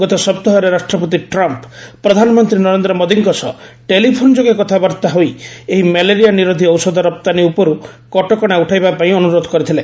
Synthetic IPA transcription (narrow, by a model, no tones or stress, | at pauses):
ɔt̪ɔsɔp̚t̪ɔɦɔɾeɾaʃʈɾɔpɔt̪̬iʈɾɔmppɾɔd̪ʱanɔmɔnt̪ɾinɔɾend̪ɾɔmod̪iŋkɔsɔʈelipʰond͡ʒoɡekɔt̪ʰabaɾt̪aɦojeɦimeleɾijaniɾod̪ʱiɔwsɔd̪ʱɔɾɔp̚t̪aniupɔɾu | kɔʈɔkɔɽ̃auʈʰajbapaĩɔnuɾod̪ʱɔ̥kɔɾit̪ʰile